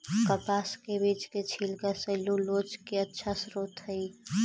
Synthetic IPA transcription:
kəpaskebit͡ʃket͡ʃʰilkasəɪlulod͡ʒkeətːʃʰasɾot̪ɦəj

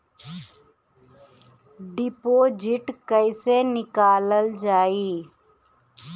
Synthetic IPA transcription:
ɖɪpoːd͡ʒɪʈkəɪsenɪkaːləld͡ʒaːiː

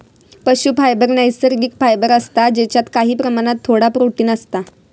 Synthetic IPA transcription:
pəɕuːfajbəɾnəjsəɾɡikfajbəɾəst̪ad͡ʑet͡ɕjat̪kaɦiːpɾəmaɽ̃at̪ʰːoɽapɾoʈiːnəst̪a

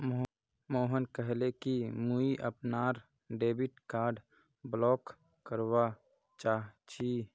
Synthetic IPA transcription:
moːɦənkəɦlekimuiʔə̰pnaːɾ | ɖeːbiʈkaːɾɖ | blɔːk | kəɾwa | t͡ʃaːɦt͡ʃʰi

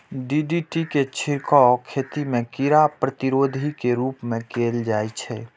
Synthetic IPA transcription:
ɖiɖiʈiket͡ʃʰiɾkɔkʰet̪imẽkiɾapɾət̪iɾod̪ʱikeɾuːpmẽkeld͡ʒajt͡ʃʰɛ

